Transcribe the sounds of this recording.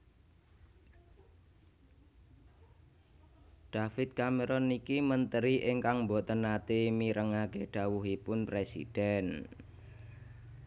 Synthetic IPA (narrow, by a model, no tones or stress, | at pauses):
ɖ̥afɪt̪̚kameɾɔnikimənt̪əɾiʔɪŋkaŋmbɔʔt̪ənat̪emiɾʔəŋakeɖ̥ä̤wuɦipʊnpɾesḭd̥ɛn